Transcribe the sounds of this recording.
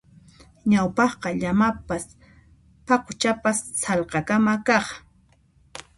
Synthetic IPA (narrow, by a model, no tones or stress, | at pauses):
ɲawpɑχqɑʎamapas | pɑqʊt͡ʃapasːɑlqɑkamakɑχ